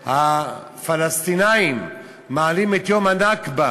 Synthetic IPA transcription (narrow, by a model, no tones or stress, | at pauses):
ha | falast̪inaimː | aːlimet̪jomhanakba